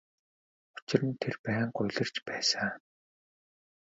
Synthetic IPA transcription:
ʊ̥t͡ɕɪ̆rɘ̆nt̪ʰerpæːŋɢʊjɮɘ̆r̥t͡ɕpæːsa

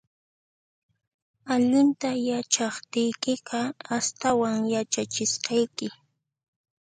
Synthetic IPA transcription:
aʎɪnt̪ajat͡ʃɑχt̪ɪjkɪqɑast̪awaŋjat͡ʃat͡ʃɪsqɑjkɪ

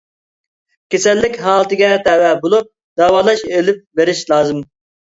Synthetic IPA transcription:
kʲesɛlːɪkʲɦɑːlˠɨt̪ɨɡʲɛt̪ʰɛwɛbolˠup̚ | d̪̥ɛwɑːlˠɑʃelɪp̚beɾɪʃlˠɑːzɨm

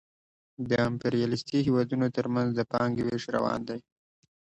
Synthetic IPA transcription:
d̪əɪmpeɾijɑlɪst̪iɦewɑd̪unot̪əɾmanzd̪əpɑŋɡweʂɾa̰wɑ̰nd̪aj

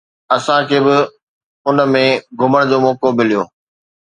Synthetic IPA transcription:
ɐsãkʰeːbɪ | ʊnmẽɡʱʊməɽ̃d͡ʑoːmɔːkomɪlijoː

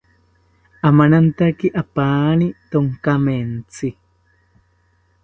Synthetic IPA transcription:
ʔamanant̪akiʔapaːnit̪oŋkament͡si

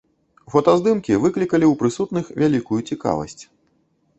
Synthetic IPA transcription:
fɐt̪ɐzd̪ɨmkʲivɨklʲikɐlʲiwpɾɨsut̪nɨxvʲalʲikujut͡sʲika̰vɐ̰sʲt͡sʲ

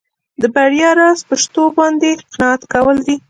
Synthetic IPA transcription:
d̪əbaɽjɑɾɑzpəʃt̪obɑnd̪eɪqnɑat̪kawəld̪i

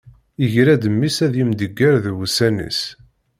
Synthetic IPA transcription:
iʝɾæd̪əmːisæðjimd̪əɡːæɾðwusænḭs

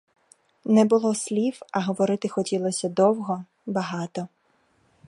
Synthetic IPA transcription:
nɛbʊlˠɔsʲlʲiwɐɦɔʋɔɾɪt̪ɪxɔtʲilˠɔsʲɐd̪ɔwɦɔ | bɐɦɑt̪ɔ

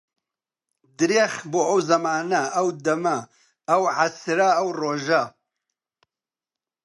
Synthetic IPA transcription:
d̪ɨɾeχboɐwzɐmaːnɐɐwd̪ɐmɐː | wʕasɾaɐwroːʒa

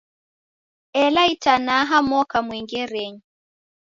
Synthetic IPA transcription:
ɛlaitanaɦamwɔkamwɛŋɡɛɾɛɲi

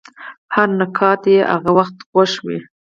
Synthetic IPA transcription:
haɾnakʰɑt̪jeʔa̰ɣawaxt̪ɣwaʃwḭ

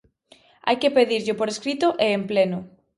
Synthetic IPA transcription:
a̰jkepeðiɾʎɪpoɾeskɾit̪ʊʔeːmplenʊ

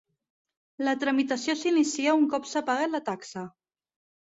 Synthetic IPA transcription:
lət̪ɾəmit̪asjosinisiauŋkɔpsapaɣalat̪aksə

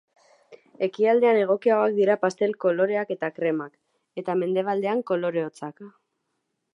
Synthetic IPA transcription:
e̞kiald̪e̞ane̞ɣ̞o̞kiaɣo̞ak̚d̪iɾapast̪e̞lko̞lo̞ɾe̞ake̞t̪akɾe̞mak | e̞t̪ame̞nd̪e̞β̞ald̪e̞aŋko̞lo̞ɾe̞ot͡sak

